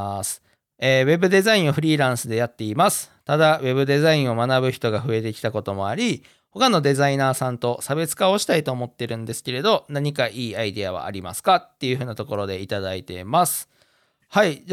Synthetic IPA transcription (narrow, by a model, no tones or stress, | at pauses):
sɨ̥ | eːβe̞bɯ̟d̪e̞zaĩɰ̃o̞ɸɯ̟ɾʲiːɾãɰ̃sɨd̪e̞jat̪ːe̞imasɨ̥ | t̪ad̪aβe̞bɯ̟d̪e̞zaĩɰ̃o̞manabɯ̟çi̥t̪o̞ɡaɸɯ̟e̞t̪e̞kʲi̥t̪ako̞t̪o̞mo̞aɾʲi | ho̞kano̞d̪e̞zainaːsãnt̪o̞sabe̞t͡sɨ̥kao̞ɕi̥t̪ait̪o̞ːmo̞t̪ːe̞ɾɯ̟̃nd̪e̞sɨ̥ke̞ɾe̞d̪o̞naɲ̟ikaʔiːaid̪e̞aβa̰ːɾʲima̰sɨ̥kat̪ːe̞jɯ̟ɸɯ̟ːnat̪o̞ko̞ɾo̞d̪e̞it̪ad̪ait̪e̞̰masɨ̥ | hai